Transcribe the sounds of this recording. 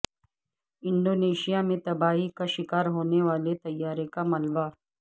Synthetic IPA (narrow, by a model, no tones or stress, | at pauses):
ɪ̃ɳɖoːneːʃijamẽt̪ɐbaːikaʃɪkaːɾɦoːneʋaːlet̪ɐjːaːɾekamɐlba